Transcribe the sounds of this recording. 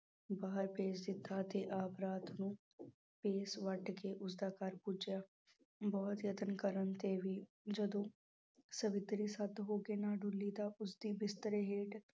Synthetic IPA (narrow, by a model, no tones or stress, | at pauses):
baːɦəɾpeːsd̪ɪt̪ʰːat̪eʔaːpɾaːt̪ʰnũː | peːsʋəʈkeʔʊs̬d̪aːkaɾpud͡ʒjaː | bɔːʊt̪jət̪ənkəɾənt̪ebʱiː | d͡ʒəd̪õ | səʋɪt̪ɾisat̪ɦoːkenaːɖʱʊlit̪aʔʊsd̪ibɪst̪əɾeɦeːʈ